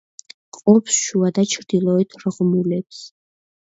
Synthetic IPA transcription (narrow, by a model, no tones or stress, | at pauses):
qʼɔpʰsʃuad̪at͡ʃʰɾd̪̥ilˠɔɛt̪ʰɾʁmulɛps